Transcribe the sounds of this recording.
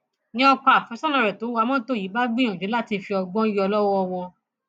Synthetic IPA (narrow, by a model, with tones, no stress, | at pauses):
nĩ˦ɔ˧k͡pa˧˦a˨fɛ̃˨˦sɔ̃˦nã˧˨ɾɛ˨to˨˦wa˧mɔ̃˦to˦˨i˨˦ba˦ɡ͡bĩ˦ɔ̃˨d͡ʒe˨˦la˦˨ti˧fi˧ɔ˧ɡ͡bɔ̃˦jɔ˧lɔ˦wɔ˦˧wɔ˧